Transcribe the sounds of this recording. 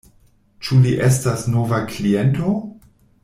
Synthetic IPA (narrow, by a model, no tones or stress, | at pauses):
t͡ʃuliʔe̞stasnovakliento